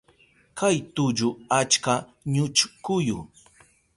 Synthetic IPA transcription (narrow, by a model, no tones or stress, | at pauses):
kʰajt̪ʊd͡ʒʊat͡ʃkaɲʊt͡ʃkʊjʊ